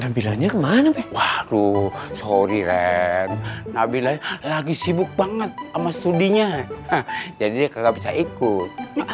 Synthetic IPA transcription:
nabilaŋɲakəmanapɛwahdusoɾiɾɛnnabilalaɡisibʊk̚baŋət̪̚amast̪udiɲa | d͡ʒadidiakaɡabisaʔikʊt̪̚

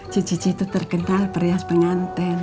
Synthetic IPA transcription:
d͡ʒit͡ʃi̥t͡ʃiht̪ut̪ərkənalpərjaspəŋant̪ɛn

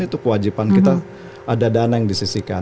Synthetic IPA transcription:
it̪ukəwad͡ʒipankit̪a | adadanajaŋdisisika

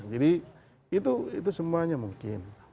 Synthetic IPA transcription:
d͡ʒiɾi | ɪt̪uɪ̰t̪usumːaɲamuŋken

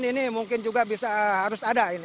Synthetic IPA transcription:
ninimuŋkɪnd͡ʒuɡabisaɦaɾʊsadaini

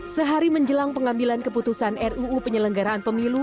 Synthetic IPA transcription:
səɦaɾiməɲd͡ʒəlaŋpəŋambilankəput̪usanɛruːpəɲələŋɡaɾaːnpəmilu

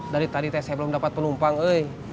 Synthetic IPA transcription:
daɾit̪adit̪ajasajabəlumdapat̪̚pənumpaŋəj

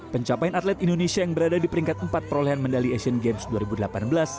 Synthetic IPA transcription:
pəɲt͡ʃapajanat̪lɛt̪indonesiajaŋbəɾadadipəɾiŋkat̪̚əmpat̪̚pəɾoleɦanməndaliesiənɡemsduaɾibudəlapanbəlas

